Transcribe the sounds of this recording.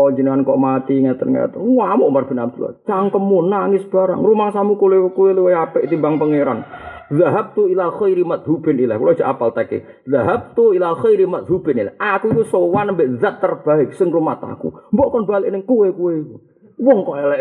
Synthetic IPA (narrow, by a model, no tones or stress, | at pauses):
ɔd͡ʒənəŋankɔʔmat̪iŋat̪ənŋa̰t̪əramɔʔmarb̥ɪnab̚t̪ula̰t͡ʃaŋkəmunaŋɪsb̥aɾa̰ŋrumaŋsamukulekuweleweapɛʔt̪imbaŋpəŋeɾanðaɦab̚t̪uilaxajɾimat̪̚ɦubɪnila̰kulḁd͡ʒ̥əʔapalt̪akḛ | ðaɦab̚t̪uilaxajɾimat̪̚ɦubɪnilahʔakuik̪usowanəmbeʔðat̪ːərb̥aɪksəŋrumat̪a̰kṵmbɔʔkɔnbalɪʔnɪŋkuwekuweku | wɔŋkɔɛlɛ